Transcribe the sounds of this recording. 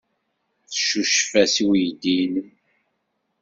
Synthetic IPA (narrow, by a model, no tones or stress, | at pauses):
θə̥ʃːuʃfæsiwjd̪inəm